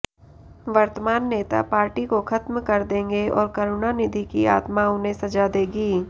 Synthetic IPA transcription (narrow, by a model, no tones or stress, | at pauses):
ʋɐɾt̪əmaːnːeːt̪a̰paːɾʈikoxʰɐt̪mkɐɾd̪ẽːŋɡeɔːɾkɐɾʊnanɪd̪ʱikia̰ːt̪maʊnɦẽsɐd͡ʒad̪eːɡiː